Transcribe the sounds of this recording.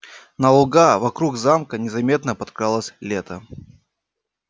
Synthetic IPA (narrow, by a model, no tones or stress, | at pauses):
nəlˠʊɡavɐkɾuɡzamkənʲɪzɐmʲe̞t̪nəpɐt̪kɾalˠəsʲlʲet̪ə